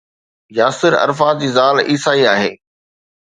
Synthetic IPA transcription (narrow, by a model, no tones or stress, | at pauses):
jaːsɪɾɐ̰ɾfaːd͡ʑiːzaːliːsaːiaːɦeː